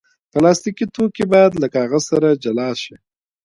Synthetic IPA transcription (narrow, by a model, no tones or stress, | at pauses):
pəlɑst̪ikit̪okebɑjad̪ləkahaɣasaɾad͡ʒalɑʃi